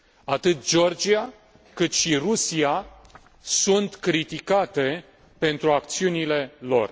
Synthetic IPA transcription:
at̪ɨt̪d͡ʒo̞rd͡ʒia | kɨt̪ʃirusia | sunt̪kɾit̪ikat̪e̞ | pe̞nt̪ɾuak̚t̪siunile̞lo̞̰r

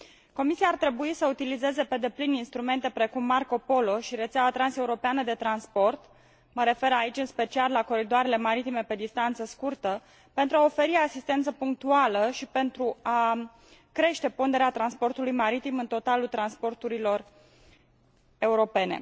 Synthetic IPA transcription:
ko̞misiaːrt̪ɾe̞buisəut̪ilize̞ze̞pe̞d̪e̞plininst̪ɾume̞nt̪e̞pɾe̞kumːarko̞po̞lo̞ʃiɾe̞t̪seawat̪ɾanse̞uɾo̞peanəd̪e̞t̪ɾanspo̞rt̪ | məɾe̞fe̞ɾait͡ʃʲɨnspe̞t͡ʃialːako̞ɾid̪oaɾe̞le̞maɾit̪ime̞pe̞d̪ist̪ant̪səskurt̪ə | pe̞nt̪ɾuao̞fe̞ɾiasist̪e̞nt̪səpuŋk̚t̪ualəʃipe̞nt̪ɾua | kɾe̞ʃt̪e̞pond̪e̞ɾeat̪ɾanspo̞rt̪ulujmaɾit̪imɨnt̪o̞t̪alult̪ɾanspo̞rt̪uɾilo̞r | e̞uɾo̞pe̞ne̞̰

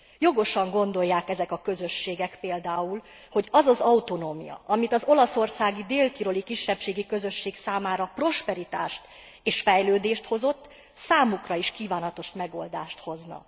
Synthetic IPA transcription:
jo̞ɡo̞ʃɒŋɡo̞nd̪o̞jːaːkɛzɛkɒkø̞zø̞ʃːeːɡɛkpeːld̪aːul | ho̞ɟɒzɒzɒwt̪o̞noːmḭjɒ̰ʔɒmit̪ɒzo̞lɒso̞rsaːɡid̪eːlt̪iɾo̞likiʃːɛpʃeːɡikø̞zø̞ʃːeːksaːmaːɾɒpro̞ʃpɛɾit̪a̰ːʃt̪ | eːʃfɛjløːd̪eːʃt̪ho̞zo̞t̪ː | saːmukrɒiʃkiːvaːnɒt̪o̞ʃmɛɡo̞̰ld̪a̰ːʃt̪ho̞znɒ̰

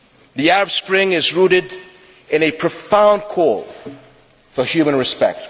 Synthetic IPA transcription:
ðiɛɹəb̥spɹɪ̃ŋɪzɹuɾɨɾ | ɨ̃nɨpʰɹ̥əfãʊ̃nd̚kʰɔlˠ | fəhjʉmə̃nɹɨspɛ̰k̚t

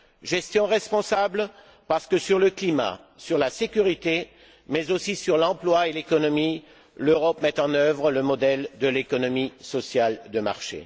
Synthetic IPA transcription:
ʒɛst̪jɔ̃ʁɛspɔ̃sabl | paʁsə̥kəsyʁləklima̰ | syʁlasekʲyʁit̪e | mɛzosisyʁlɑ̃plwaelekɔnɔmi | løʁɔpmɛt̪ɑ̃nœvʁələmɔd̪ɛld̪əlekɔnɔmisɔsjald̪əma̰ʁʃḛ

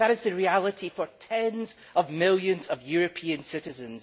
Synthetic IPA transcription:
ðəɾɪzðɨɹialˠɪʔifə˞tʰɛ̃nz | əvmɪlˠjə̃nzəvjʉɹɨpʰĩə̃nsɪʔɪzə̃nz̥

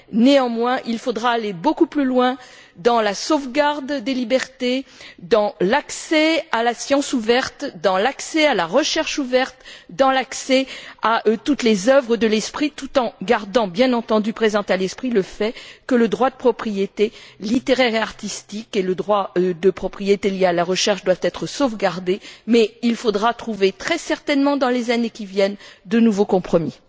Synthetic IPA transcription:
neɑ̃mwɛ̃ʔilfod̪ʁaːlebokuplylwɛ̃ | d̪ɑ̃lasovɡaʁd̪d̪elibɛʁt̪ed̪ɑ̃laksɛalasjɑ̃suvɛʁt̪d̪ɑ̃laksɛalaʁəʃɛʁʃuvɛʁt̪d̪ɑ̃laksɛaʔt̪ut̪lezœvʁəd̪əlɛspχit̪ut̪ɑ̃ɡaʁd̪ɑ̃bjɛ̃nɑ̃t̪ɑ̃d̪ypχezɑ̃t̪alɛspχiləfɛkələd̪ʁwad̪əpχɔpχijet̪elit̪eʁɛʁeaʁt̪ist̪ikeləd̪ʁwad̪əpχɔpχijet̪eljealaʁəʃɛʁʃd̪wavt̪ɛt̪χəsovɡaʁd̪emɛilfod̪ʁat̪χuvet̪χɛsɛʁt̪ɛnmɑ̃d̪ɑ̃lezanekʲivjɛnd̪ənuvokɔ̃pχɔmi

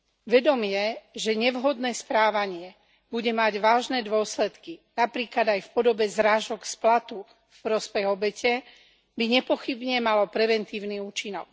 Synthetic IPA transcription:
ʋɛd̪ɔmɪɛʒɛɲɛʋɦɔd̪nɛːspɾaːʋaɲɪɛ | buɟɛmaɟʋaːʒnɛːd̪ʊɔslɛt̪kinapɾiːklad̪ajfpɔd̪ɔbɛzɾaːʒɔksplat̪u | fpɾɔspɛɣɔbɛcɛ | biɲɛpɔxibɲɛmalɔpɾɛʋɛnt̪iːʊniuːt͡ʃinɔk̚

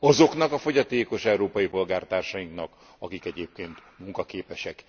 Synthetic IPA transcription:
ɒzo̞kn̪ɒkɒfo̞ɟɒt̪eːko̞ʃɛuɾoːpɒjipo̞lɡaːrt̪aːrʃɒjiŋknɒk | ɒkikɛɟeːp̚keːnt̪muŋkɒkeːpɛʃɛk

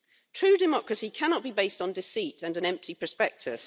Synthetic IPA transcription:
tʰɹ̥ʉːdɪmɒkɹəsikʰanɒʔ̚b̥ibeɪstn̩dɪsiˑtʰə̃nə̃nɛ̃mp̚tʰipʰɹəspɛk̚tʰɪ̰z̥

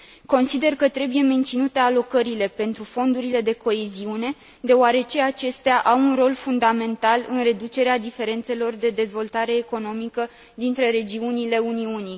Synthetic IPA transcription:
ko̞nsid̪e̞rkət̪ɾe̞buje̞me̞nt̪sinut̪e̞alo̞kəɾile̞pe̞nt̪ɾufo̞nd̪uɾile̞d̪e̞ko̞e̞ziune̞ | d̪e̞oaɾe̞t͡ʃe̞at͡ʃe̞st̪eaʔawunro̞lfund̪ame̞nt̪alɨ̰nre̞d̪ut͡ʃe̞ɾead̪ife̞ɾe̞nt̪se̞lo̞rd̪e̞d̪e̞zvo̞lt̪aɾe̞ːko̞no̞mikə | d̪int̪ɾe̞ɾe̞d͡ʒiunile̞uniuni

